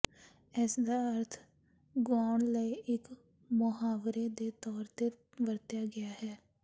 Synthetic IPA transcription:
ɛsd̪aːəɾt̪ʰ | ɡʊaːɳləiːʔɪk | mʊɦaːʋɾeːd̪eːt̪ɔːɾt̪eː | ʋəɾt̪jaːɡɪaːɦɛː

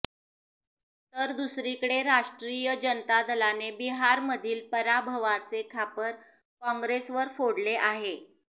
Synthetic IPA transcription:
t̪əɾd̪usɾikəɽeɾaʂʈɾijəd͡ʑənət̪ad̪əlanebiɦaɾməd̪ʱiːlpəɾabʱəʋaɾt͡sekʰapəɾ | kɔ̃ŋɡɾesʋəɾfoɽleʔaɦe

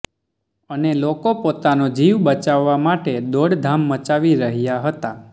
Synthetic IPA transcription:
ənelokopot̪anod͡ʒiʋbət͡ʃaʋːamaʈed̪oɽd̪ʱamːət͡ʃaʋiɾəɦjaɦət̪a

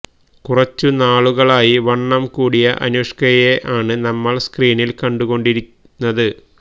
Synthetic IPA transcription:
kurɐt͡ɕːunaːɭuɣɐɭaːjiʋɐɳːɐmkuːɽijɐʔɐ̰nuʂkɐjeʔaːɳɨnɐmːɐɭskriːnilkɐɳɖuɣo̞ɳɖiɾi | nːɐðɨ

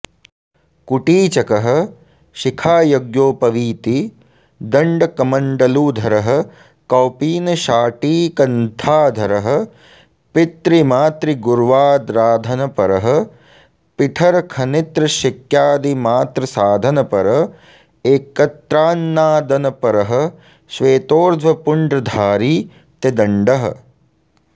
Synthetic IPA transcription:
kuʈiːt͡ʃɐkɐɦɐ̆ | ʃikʰaːjoɡjoːpɐʋiːt̪i | d̪ɐɳɖɐkɐmɐɳɖɐluːd̪ʱɐɾɐɦɐ̆ | kawpiːnɐʃaːʈiːkɐnt̪ʰaːd̪ʱɐɾɐɦɐ̆ | pit̪ɾimaːt̪ɾiɡuɾʋaːd̪ɾaːd̪ʱɐnɐpɐɾɐɦɐ̆ | piʈʰɐɾɐkʰɐnit̪ɾɐʃikjaːd̪imaːt̪ɾɐsaːd̪ʱɐnɐpɐɾɐ̆ | eːkɐt̪ɾaːnːaːd̪ɐnɐpɐɾɐɦɐ̆ | ʃʋeːt̪oːɾd̪ʱʋɐpuɳɖɾɐd̪ʱaːɾiː | t̪ed̪ɐɳɖɐɦɐ̰̆

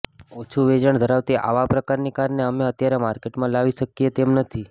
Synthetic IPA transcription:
ot͡ʃʰuʋed͡ʒəɳd̪ʱəɾaʋt̪iʔa̰ʋapɾəkaɾnikaɾneəmeət̪jaɾemaɾkeʈmãlaʋiʃəkiet̪emnət̪ʰi

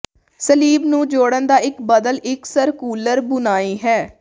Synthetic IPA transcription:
səliːbnũːd͡ʒoːɽənd̪aːɪkbəd̪əlɪksəɾkuːləɾbʊnaːiːɦɛː

